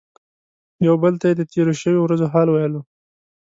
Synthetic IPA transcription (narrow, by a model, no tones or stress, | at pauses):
jawbəlt̪ajed̪ət̪ʰeɾoʃəwowɾazoɦɑlwajlo